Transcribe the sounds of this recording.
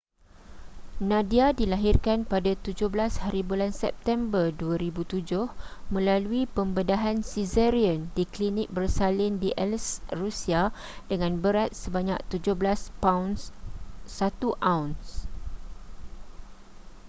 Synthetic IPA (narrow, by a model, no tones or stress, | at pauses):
nãdiadilaɦirkanpadat̪ud͡ʒʊhblashaɾibulansɛp̚t̪ɛmbərduaɾibut̪ud͡ʒʊhmə̃laluipəmbədaɦansizɛɾiəndiklinɪk̚bərsalɪndiʔɛlsrusia | dəŋãnbəɾat̪̚səbaɲa̰k̚t̪ud͡ʒʊhblaspawnsː | at̪uʔawns